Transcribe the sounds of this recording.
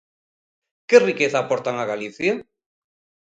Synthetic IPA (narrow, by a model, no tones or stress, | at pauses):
kerikeθaːpoɾt̪aŋaɣaliθja